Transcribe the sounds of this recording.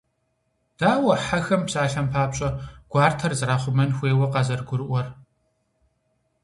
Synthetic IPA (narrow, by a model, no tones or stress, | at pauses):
d̥aːwɐħaxɐmpɕʼaːɬɐmpʰaːpɕʼɐɡ̥ʷaːrtʰɐrzɾaːχʷʊmɐnxʷeːwɐqɐzɐrɡʷʊɾɨʔʷɔr